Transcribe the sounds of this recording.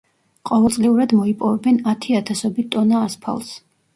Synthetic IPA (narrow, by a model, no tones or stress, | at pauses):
qʼɔvɛlˠsʼliuɾad̪mɔipʼɔvɛbɛnat̪ʰiat̪ʰasɔbit̪ʼɔnaːspʰa̰lˠs